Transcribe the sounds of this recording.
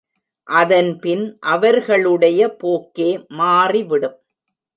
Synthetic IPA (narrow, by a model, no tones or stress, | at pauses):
ʔɐðɐnpɪnʔɐʋɐɾɣɐɭɯɽɐjɐpoːkːeːmaːriʋɪɽɯm